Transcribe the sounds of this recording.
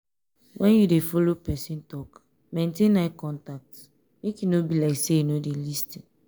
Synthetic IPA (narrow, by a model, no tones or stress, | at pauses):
wʔɛ̃njudefɔlopɛsĩntɔk | mẽntẽnakɔ̃ntak̚t | mekinobilaɪkseinodelisti